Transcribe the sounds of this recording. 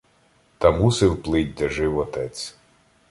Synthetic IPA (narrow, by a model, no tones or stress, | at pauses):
t̪ɐmusɪwplˠɪt̚ʲd̪ɐʒɪwɔt̪ɛt͡sʲ